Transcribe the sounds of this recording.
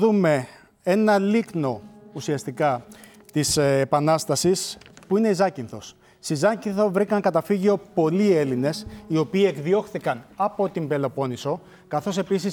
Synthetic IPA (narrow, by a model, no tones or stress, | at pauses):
ðume̞ | e̞nɐlikno̞usiɐst̪ikɐ | t̪isːpɐnɐst̪ɐsispuine̞izɐcinθo̞s | sizɐcinθo̞vɾikɐŋkɐt̪ɐfiʝio̞po̞lie̞line̞sio̞piːe̞kðio̞xθikɐnɐpo̞t̪imbe̞lo̞po̞niso̞ | kɐθo̞se̞pisis